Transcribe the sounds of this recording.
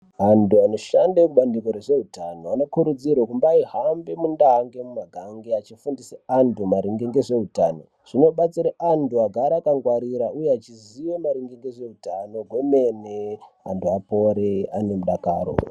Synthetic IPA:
antuano̞ʃandekuɓandiko̞ɾe̞ʐe̞utanoano̞kuɾud͡zirwokumbaiɦambemundaɦaŋɡe̞mumaɡʱaŋɡeat͡ʃifundiseantumaɾiŋɡeŋɡe̞ʐe̞utano̞ | ʐ̥ino̞ɓat͡siɾaʔantuaɡʱaɾakaŋɡwaɾiɾaujeat͡ʃiziwomaɾiŋɡeŋɡeʐe̞utano̞ɡʱwe̞mene | a̰ntuapo̞ɾeane̞muɗaka̰ːro̰

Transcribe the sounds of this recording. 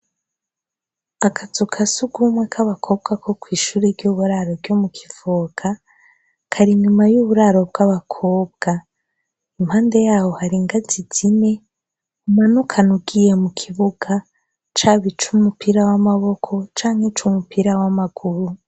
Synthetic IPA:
akʰazukʰasuɡumwe̞kʰaβakʰo̞b̚ɡakʰo̞kwiːʃuːɾiɾɟuβuɾaɾo̞ɾɟomukʰi̥voːɡ̥a | kʰaɾiɲumajuβuɾaɾo̞b̚ɡaβakʰo̞ːb̚ɡ̥a | imhaːnde̞jaːho̞haɾiŋɡaziz̥ine̞ | umanukʰanuɡije̞mukʰiβuɡ̥a | t͡ʃaβit͡ʃumupiɾawamaβo̞kʰo̞t͡ʃaːŋ̥het͡ʃumupiɾawamaɡ̥uɾu

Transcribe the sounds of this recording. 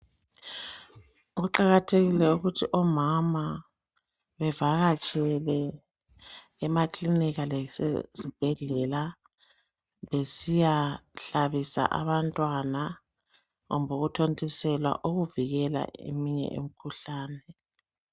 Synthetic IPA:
uɣuǃaɣatʰeɣilɛuɣutʰiʔɔmama | βɛvaɣat͡ʃʼɛlɛ | ɛmakʰʼliniɣalɛsḛsib̥ʱɛɮɛla | βesijaɬaβisa̰ʔa̰βantʼwana | ɣumbʱoɣutʰontʼisɛlwa̰ʔoɣuviɣɛla̰ḛmiɲɛ̰ʔḛm̩kʰuɬaːnɛ

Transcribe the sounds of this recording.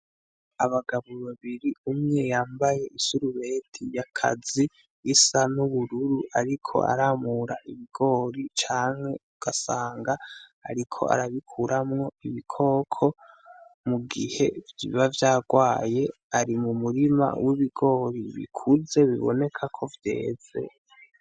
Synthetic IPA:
aβaɡaβoβaβiɾiumŋe̞jaːmbaje̞ʔisuɾuβe̞tʰijakʰa̰ziː | sanuβuɾuɾuʔaɾikʰo̞̰ʔa̰ɾaːmuɾaʔiβiɡ̥o̞ːɾit͡ʃaːŋhe̞uɡ̥asaːŋɡaa̰ɾikʰo̞̰a̰ɾaβikʰuɾʔamŋo̞iβikʰo̞ːkʰo̞ | muɡihe̞vjḭβavjaːɡwaːje̞ | aɾimumuɾima̰wʔiβiɡo̞ːɾiβḭkʰuze̞βiβo̞̰ne̞kʰakʰo̞vje̞̰ːz̥e̞̰

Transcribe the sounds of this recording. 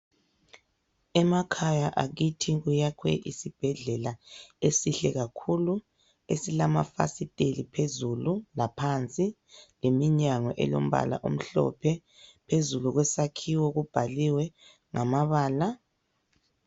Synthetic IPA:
ɛmakʰajaʔaɣitʰiɣujakʰwɛ̰ʔḭsib̥ʱɛɮɛlaesiɬɛɣakʰulu | esilamafa̰sitʼelipʰezululapʰant͡sʼi | lemiɲaŋɔʔɛ̰lo̰m̩βa̰la̰ʔom̩ɬɔ̰pʰɛ | pʰezuluɣwɛsakʰiwɔɣub̥ʱaliwɛ | ŋamaβaːla

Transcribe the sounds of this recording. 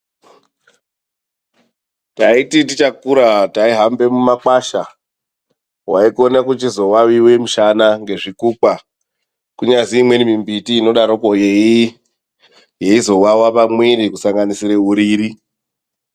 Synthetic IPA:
taititit͡ʃakuɾataiɦambe̞mumak͡paʃa | waiko̞nakut͡ʃizo̞wawiwe̞muʃanaŋɡe̞ʐikuk͡pa | kuɲaziːmwe̞nimimbitiːno̞ɗaɾokojei | jeizo̞wawapamwiɾikusaŋɡanisiɾe̞ɦuɾiːɾi

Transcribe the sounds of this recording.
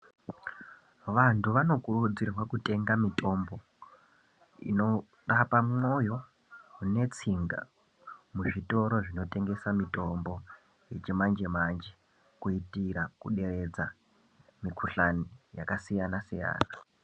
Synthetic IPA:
ʋantʰuʋano̞kurud͡zirwakute̞ŋɡamito̞mbo̞ | ḭno̞ | rapamŋo̞jo̞ | ɦune̞t͡siŋɡa̰ | muʐito̞ɾo̞ʐino̞te̞ŋɡe̞samito̞mbo̞ | je̞t͡ʃemand͡ʒemand͡ʒe | kuitiɾakuɗe̞re̞d͡za | mikʰuɬanijakasijanasija̰ːna

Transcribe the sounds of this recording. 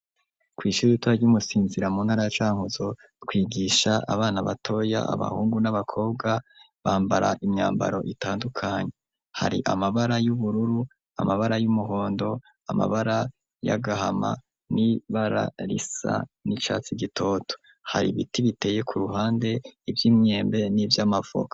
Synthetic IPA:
kwiːʃuitaɾɟumusiːnziɾamuːnhaːɾajat͡ʃaːŋhuzo̞ | kwiːɡiʃaʔa̰βaːnaβatʰo̞ːja̰ʔa̰βa̰huːŋɡunaβakʰo̞ːbɡa | βaːmbaɾa̰ʔimɲa̰ːmba̰ɾo̞̰ʔitaːndukʰaɲe | ha̰ɾḭʔa̰maβaɾajuβuɾuɾu | a̰maβaɾajumuɦo̞ːndo̞ | ama̰βaɾa | ja̰ɡahama̰ | niβaɾa̰ɾḭsa̰nit͡ʃa̰ːt͡siɡito̞to̥ | haɾiβitiβite̞ːje̞kʰuɾuɦaːnde̞ivjiːmɲe̞ːmbe̞nivjamav̥o̰kḁ

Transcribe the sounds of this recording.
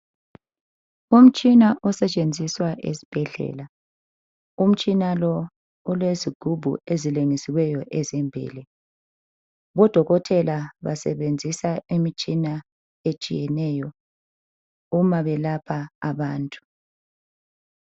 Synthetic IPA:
um̩t͡ʃʼinaʔɔsɛt͡ʃʼend͡zʱiswaʔḛsi̥b̥ʱɛɮɛ̰ːla | um̩t͡ʃʼinalɔ | ɔlweziɡ̥ʱub̥ʱṵezileŋisiwɛjɔʔɛzɛmbʱḭːlɛ | βɔd̥ʱɔɣɔtʰɛlaβa̰sɛ̰βend͡zʱisaimit͡ʃʼina | et͡ʃʼḭjɛnɛjɔ | umaβɛlapʰaːβaːntʼu̥

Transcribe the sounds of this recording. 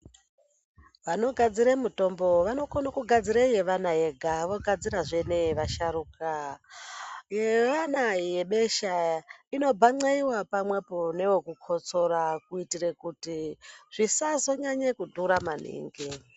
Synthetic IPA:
ʋano̞ɡʱad͡ziɾemuto̞mbo̞ʋano̞konakuɡʱad͡ziɾeje̞ʋanajeɡʱaʋo̞ɡʱad͡ziɾaʐe̞ne̞ʋaʃaɾuka | jeʋanajeɓe̞ʃaino̞bʱaŋ͡ǀaiwapamwe̞pone̞wokukʰo̞t͡so̞ɾakuitire̞kutiʐ̥isazo̞ɲaɲekudʱuɾamanḭːŋɡi

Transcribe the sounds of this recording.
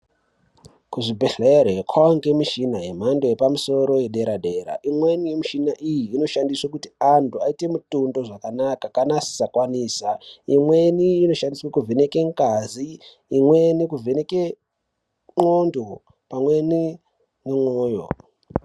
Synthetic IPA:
kuʐibʱeɬeɾeekʰwawaŋɡe̞miʃinaɦem̤ando̞jepamuso̞ɾo̞jeɗe̞ɾaɗe̞ɾa̰ʔimwe̞nijemiʃinaʔijiːno̞ʃandiswakutiantʰuaite̞mutundo̞ʐakanakakanasi̥sakwaniːsaimwe̞niːno̞ʃandiswakuvenekeŋkaziː | mwe̞nikuvʱeneke | ŋondo | pamwe̞ni | nemwoːjo̰

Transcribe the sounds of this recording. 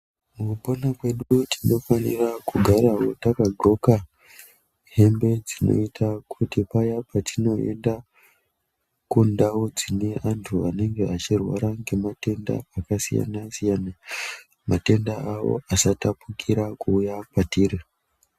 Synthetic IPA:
mukuponakwe̞ɗutino̞fanḭrakuɡʱaɾawo̞takaɡo̞ka | ɦe̞mbe̞d͡zino̞̰itʰakʰutipajapʰatʰino̞e̞̰nda | kundawo̞d͡zine̞ʔantʰuane̞ŋɡeat͡ʃirwa̰ɾaŋɡe̞mate̞nda̰ːkasija̰nasijana | mate̞ndaawo̞̰asatapukʰiɾakuːjapatiɾe

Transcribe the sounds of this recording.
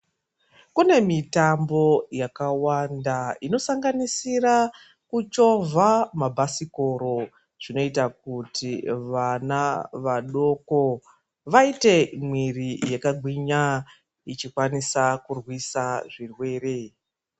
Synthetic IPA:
kune̞mitambo̞jakawandaino̞saŋɡanisiɾa | kut͡ʃo̞vʱamabʱasikoɾo̞ | ʐ̥ino̞itak̚utʰiʋanaʋaɗo̞ko̞ | ʋaite̞mwirijekaɡʱwiɲa | it͡ʃikwanisakurwisaʐirwe̞ːɾe̞

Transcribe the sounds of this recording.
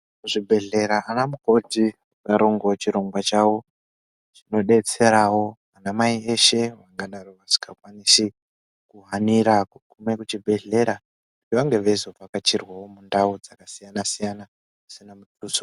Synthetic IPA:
uʐibʱe̞ɮe̞ɾaʔanamuko̞ti | ukaɾoŋɡot͡ʃiɾo̞ŋɡwat͡ʃawo̞ | ʐino̞ɗe̞t͡se̞ɾawo̞ʋanamaie̞ʃe̞ʋaŋɡaɗaroʋaʂi̥kakwaniʃi | kuɦaniɾakukumekut͡ʃibʱe̞ɮe̞ɾa | utiʋaŋɡe̞ʋezoakat͡ʃirwawo̞mundaud͡zakasijanasijana | isinamutuso

